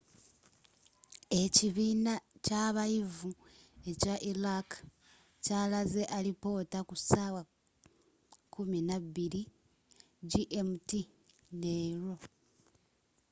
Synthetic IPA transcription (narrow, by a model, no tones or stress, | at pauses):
eciβiːnacaβajivue̞caʔilak | caːlaze̞ʔalipo̞ːtakusaːwa | kuminaβiɾi | ɟiʔemti | neːɾo̞